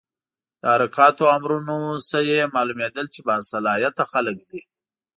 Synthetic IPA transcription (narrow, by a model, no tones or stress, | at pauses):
d̪̥əaɾʊkɑt̪oamɾunosəjemɑlumed̪əlt͡ʃebɑsalɑjat̪axalək̚d̪i